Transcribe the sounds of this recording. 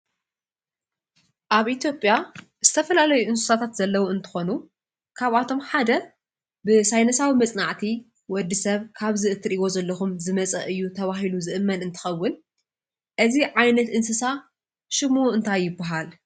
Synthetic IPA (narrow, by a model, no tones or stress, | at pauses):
ʔaβʔit̪ʰjo̞pʼja | z̥ɨt̪ʰɐfɐlalɐjuʔɨnsɨ̥sat̪ʰat̪z̥ɐlːɐwuɨnt̪ʰɨ̥xo̞nu | kʰaβʔat̪ʰo̞mħad̪ɐ | bɨsajnɐsawimɐt͡sʼnaʕt̪ʰi | wɔd̪ːisɐβkʰaβzɨʔɨt̪ʰːɨɾʔiwo̞zɐlːɐxumzɨmɐt͡sʼɐ̰ʔɨjːut̪ʰɐβaɦiluzɨʔɨmːɐnɨnt̪ʰɨ̥xɐwːʊn | ʔɨziʕajnɐt̪ɨnsɨsa | ʃɨmuɨnt̪ʰajːɪbːaɦal